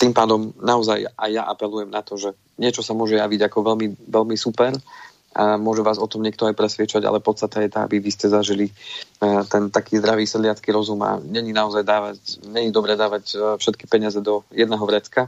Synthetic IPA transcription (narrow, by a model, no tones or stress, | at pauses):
t̪impaːd̪ɔmnaɔzajajːaʔapɛlujɛmnat̪ɔʒɛ | ɲɪɛt͡ʃɔsamʊɔʒɛjaʋiɟakɔʋɛlmiʋɛlmisupɛɾ | amʊɔʒɛʋaːzɔt̪ɔmɲɪɛkt̪ɔajpɾɛsʋɪɛt͡ʃaɟa̰lɛpɔt̪st̪at̪ɛjɛt̪aa̰biʋiscɛzaʒili | t̪ɛnt̪akiːzd̪ɾaʋiːsɛd̪lɪat͡skiɾɔzuma̰ɲɛɲinaɔzajd̪aːʋacɲɛɲid̪ɔbɾɛd̪aːʋacfʃɛt̪ki̥pɛɲɪazɛd̪ɔjɛd̪nɛːɦɔʋɾɛt͡ska